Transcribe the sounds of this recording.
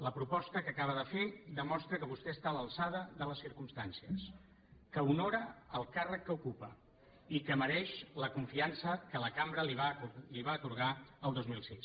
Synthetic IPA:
ləpɾupɔst̪əkəkaβ̞əðəfed̪əmɔst̪ɾəkəβust̪ɛəst̪aləlˠsað̞əðələsːiɾkumst̪ansiəs | kəunoɾəəlˠkarəkːəukupə | ikəməɾɛʃləkuɱfiansəkələkambɾəliβaliβaːt̪uɾɣ̞aəlˠd̪ozmilˠsis

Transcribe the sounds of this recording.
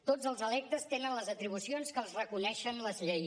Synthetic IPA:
t̪od͡zəlˠzəlɛk̚t̪əst̪enənləzət̪ɾiβ̞usionskəːlˠzrəkunɛʃənləzʎej

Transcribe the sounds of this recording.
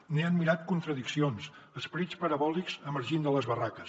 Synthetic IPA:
neənmːiɾat̪kunt̪ɾəðiksions | əspəɾit͡spəɾəβɔlikzəməɾʒind̪ələzβərakəs

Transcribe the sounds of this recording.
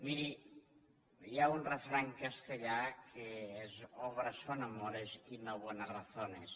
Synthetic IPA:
miɾi | jaunrefɾaŋkəst̪eʎakʰeezɔβɾəsonamɔɾezinoβonaraθones

